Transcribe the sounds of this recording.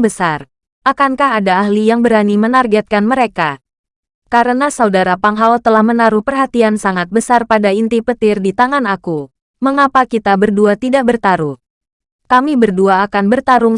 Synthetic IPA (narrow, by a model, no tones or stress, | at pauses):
bəsar | ʔakankaɦadaːhlijaŋbəɾanimənarɡɛt̪̚kanməɾeka | kaɾənasaudaɾapaŋɦawt̪əlahmənaɾuhpərɦat̪iansaŋat̪̚bəsarpadaint̪ipət̪ɪrdit̪aŋanaku | məŋapakit̪abərduat̪idaʔ̚bərt̪aɾuh | kamibərduaːkanbərt̪aɾʊŋ